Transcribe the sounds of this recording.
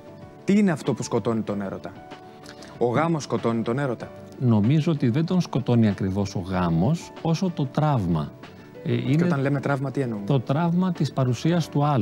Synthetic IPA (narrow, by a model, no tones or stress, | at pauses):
t̪iineɐft̪o̞pusko̞t̪o̞nit̪o̞ne̞ɾo̞̰t̪ɐ | oɣɐmo̞sːko̞t̪o̞nit̪o̞ne̞ɾo̞t̪ɐ | no̞mizoot̪iðe̞nd̪o̞nsko̞t̪o̞niɐkɾivo̞so̞ɣɐmo̞s | o̞so̞t̪o̞t̪ɾɐvmɐ̰ | ineoeɐnle̞met̪ɾɐvmɐt̪ienumt̪o̞t̪ɾɐvmɐt̪ispɐɾusiɐst̪uɐl